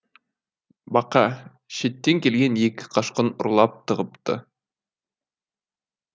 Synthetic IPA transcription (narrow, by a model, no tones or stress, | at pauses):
bɑqɑ | ʃe̞t̪ːeŋkʲe̞lɡʲe̞nje̞kʲɪ̥qʰɑʃqənʊ̰̆ɾlˠɑp̚t̪ʰəʁəpt̪ə̰